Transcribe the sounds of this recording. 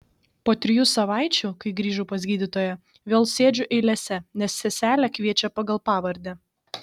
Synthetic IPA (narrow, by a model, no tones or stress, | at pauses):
poːt̪ʲɾʲɪjusɐʋɑˑɪt͡ʃʲʊkɐɪɡɾʲiːʒʊːpɐzʲɡʲiːd̪ʲɪt̪oːjɛ | ʋʲeːlˠsʲeːd͡ʒʲʊʔɛɪlʲɛsʲɛnʲɛsːʲɛsʲæːlʲɛkʋʲiɛt͡ʃʲɛpɐɡɐlˠpɑːʋɐɾʲd̪ʲɛ